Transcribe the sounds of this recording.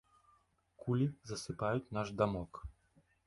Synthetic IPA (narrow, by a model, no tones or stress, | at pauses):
kulʲizɐsɨpajut͡sʲnaʐd̪amɔk